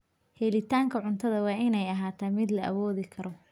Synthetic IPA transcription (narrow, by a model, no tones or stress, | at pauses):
hɛːlɪt̪ʰaːŋkʰɐʕʊnt̪ʰɐðɐwɑːʔɪnɛjɐɦaːt̪ʰaːmɪd̪lɐʔɐwɔːðɪkʰɐɾɔ